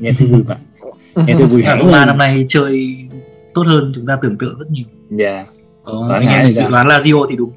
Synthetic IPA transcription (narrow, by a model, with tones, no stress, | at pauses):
ɲɛ˧t̪ʰɨ˧vu˨˧˩a̰˧˩˨ | ɲɛ˧˩t̪ʰɨ˧vu˧˩aː˨˩ko̰˧˨˦ɓaː˧˩na˧mna˧˩jt͡ɕəː˧j | t̪o˦˥t̚həː˧nt͡ɕʊ˨˦ŋ͡mt̪aː˧t̪ɨ˧˩əŋt̪ɨ̰ː˧˨zə˦˥t̚ɲi˨˩əw | kɔ˨˦˨a˧a˧˩˨t͡ɕɨ̰˧˨lwaː˨˦laː˧zi˧ʔo˧t̪ʰi˨˩ɗʊ˨˦ŋ͡m